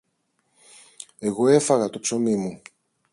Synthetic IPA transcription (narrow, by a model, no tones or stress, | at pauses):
e̞ɣo̞e̞fɐɣɐt̪opso̞mimu